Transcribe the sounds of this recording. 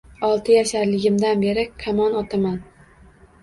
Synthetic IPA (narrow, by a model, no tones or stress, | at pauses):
ɒlˠt̪ʰɪjaʃaɾlɪɡʲɪmd̪anbe̞ɾɪkʲʰamɒnɒt̪ʰaman